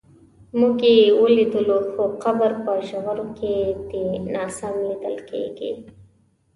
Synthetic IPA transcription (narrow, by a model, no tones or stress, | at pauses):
muɡewəlid̪əloxoqabəɾpəʃaɣaɾoked̪enɑsamlid̪əlkḛɡḭ